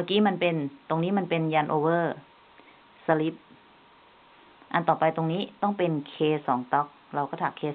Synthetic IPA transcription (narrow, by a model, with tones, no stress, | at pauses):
maː˧kiː˦˥ma˧˥npe˧nt̪o˧ŋniː˦˥ma˧npe˧njaː˧nʔoː˧wɤː˥˩ | sa˧li˦˥p̚ | ʔa˧nt̪ɔː˨˩pa˧jt̪o˧ŋniː˦˥t̪ɔ˥˩ŋpe˧nkʰeː˧sɔː˩˦ŋt̪ɔ˦˥k̚ɾa˧wkɔː˥˩t̪ʰaː˨˩kʰeː˧